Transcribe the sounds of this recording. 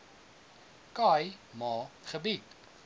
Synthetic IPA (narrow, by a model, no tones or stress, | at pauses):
kɐjmɑːχəbit̚